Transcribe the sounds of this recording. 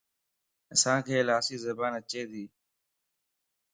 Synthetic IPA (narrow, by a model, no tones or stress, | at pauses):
əsãːkʰeːlaːsiːzəbaːnət͡ʃeːd̪iː